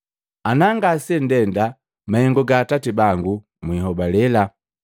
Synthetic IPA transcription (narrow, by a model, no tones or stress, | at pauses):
anaŋɡasɛndɛnda | mahɛŋɡɔɡaːtatibaŋɡu | mwiɦɔbalɛla